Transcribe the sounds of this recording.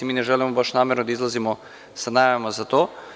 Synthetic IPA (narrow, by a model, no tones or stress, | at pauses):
imiːnɛʒɛːlimɔbaʃnaːmɛɾnɔd̪aizlazimɔ | sanaːjʋemɔzat̪oː